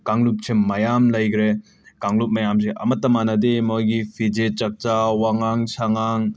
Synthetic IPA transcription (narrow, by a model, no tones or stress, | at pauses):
kaŋlup̚t͡ʃʰimːajamlɐjɡɾe | kaŋlup̚majams̬eʔɐ̰mɐtːɐmanɐdimojɡipʰid͡ʒet͡ʃɐk̚t͡ʃawaŋaŋsaŋaŋ